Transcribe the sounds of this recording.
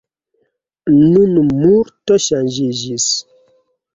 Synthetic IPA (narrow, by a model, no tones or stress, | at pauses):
nunmuɾtɔʃand͡ʒid͡ʒis